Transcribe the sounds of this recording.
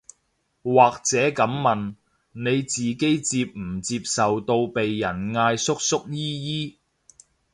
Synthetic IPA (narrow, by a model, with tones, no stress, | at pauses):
waː˨k̚t͡sɛː˨˥kɐ˨˥mmɐ˨n | ne˨˧jt͡siː˨ke˨˥jt͡siː˧p̚m̩˨˩t͡siː˧p̚sɐ˨wt̪o˧wpe˨jːɐ˨˩nŋaː˧jsʊ˥k̚sʊ˥k̚jiː˥jiː˥